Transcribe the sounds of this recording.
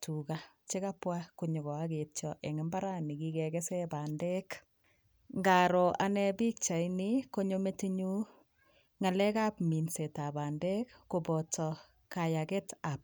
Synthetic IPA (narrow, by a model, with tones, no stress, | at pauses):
tukat͡ʃe˦ka˦pwa˦ku˨ɲo˨ɣɔ˨a˦ɡe˨tt͡ʃɔʔɛ˨ŋɪ˦mba˦ɾa˦ni˨ki˦kɛ˨kɛ˦sɛba˨ndɛ˦k | ŋɡa˨ɾɔ˨ʔa˦nɛ˦bi˦k̚t͡ʃa˨ini˦ko˦ɲo˦me˦ti˦ɲu˦ | ŋa˨lɛ˦ka˦pmi˨nse˨ta˨ba˨ndɛ˦kːo˨bɔ˨tɔ˨ | ka˨jakɛ˦ta˨p̚